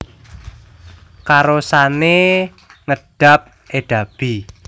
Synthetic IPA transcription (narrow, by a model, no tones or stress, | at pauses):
kaɾosane | ŋəɖ̥a̤p̚ | eɖ̥a̤b̥i